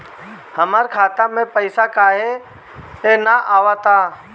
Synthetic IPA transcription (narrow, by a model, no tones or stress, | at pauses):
həmaːɾkʰaːt̪amẽpəɪsakaːɦe | enaʔaːʋat̪aː